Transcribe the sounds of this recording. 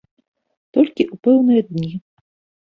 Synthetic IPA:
t̪ɔlʲkʲiʔupɛwnɨjɐd̪nʲi

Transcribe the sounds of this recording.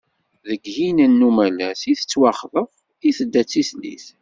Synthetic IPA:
ðəɡhinənːumælæsiθət͡sːwɑχðəʁ | iθəd̪ːæt͡sːiθlḭθ

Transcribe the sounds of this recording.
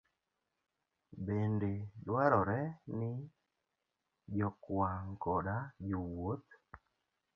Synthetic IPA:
bendedwaɾɔɾɛnɪ | d͡ʒɔkwaŋkɔdad͡ʒowot̪̚

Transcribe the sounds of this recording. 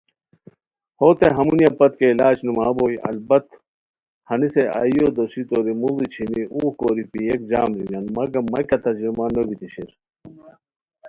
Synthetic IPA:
hoːt̪eɦɐmunijɐpɐt̪̚keilaːt͡ɕnumaːboːjʔɐ̰lbɐt̪ | hɐniseʔa̰jod̪osit̪oɾimulit͡ɕʰiniʔuːkoːɾipijek̚d͡ʑaːmɾiŋɡɐnmɐɡɐmɐkɐt̪ɐd͡ʑlimanobit̪iɕiɾ

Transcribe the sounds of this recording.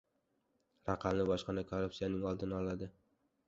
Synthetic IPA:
ɾaqʰɑmlɪbɒʃqɑnakʰorːʊpsijanɪŋɒlˠd̪ɪnɪɒlad̪ɪ

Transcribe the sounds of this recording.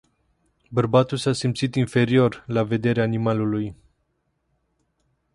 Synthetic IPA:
bərbat̪ulsasimpt̪sit̪infe̞ɾio̞rlave̞d̪e̞ɾeaːnimaluluj

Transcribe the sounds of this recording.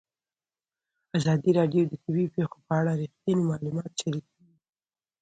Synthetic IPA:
azɑd̪iɾɑɖjod̪ət̪abipexopəaɽaɾixt̪jɑnimɑlumɑt̪ʃaɾikʰəwi

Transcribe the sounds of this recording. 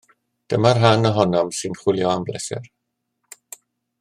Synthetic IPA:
d̥əmarɦanɔɦɔnɔmsɨnχwɪlˠjɔamblɛsɪ̰r

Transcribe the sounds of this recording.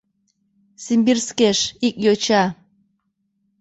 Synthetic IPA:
simʲbirskeʃik̚ʼjot͡ɕa

